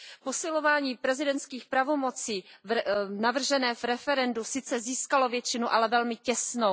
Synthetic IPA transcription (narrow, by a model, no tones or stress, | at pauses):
po̞sɪlo̞vaːɲiːpɾɛzɪdɛnt̪skiːxpɾavomo̞t͡siː | navr̩ʒɛnɛːvɾɛfɛɾɛndusɪt͡sɛziːskalo̞vjɛt͡ʃɪnuʔalɛvɛlmɪcɛsno